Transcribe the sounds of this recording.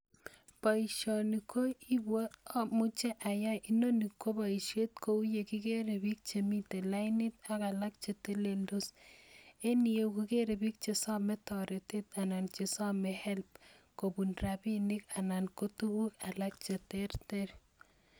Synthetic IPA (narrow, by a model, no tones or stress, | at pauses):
paiʃɔnikoibwomut͡ʃeʔajaʔinonikːobaiʃet̪̚koujekikeɾebik̚t͡ʃemitelajnit̪akalak̚t͡ʃetelendos | enijokukeɾebik̚t͡ʃesamɛtɔɾetet̪anant͡ʃesamɛhɛlp̚kobunɾabinɪkanankotuɡukalak̚t͡ʃeterteɾ